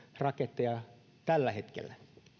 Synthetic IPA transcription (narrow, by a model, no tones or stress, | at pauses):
rɑket̪ːejɑ | t̪ælːæhet̪kḛlːæ